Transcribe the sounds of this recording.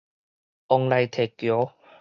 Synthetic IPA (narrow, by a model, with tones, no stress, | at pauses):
ʔɔ˧ŋla˧jt̪ʰɛ˨˩kjo˨˦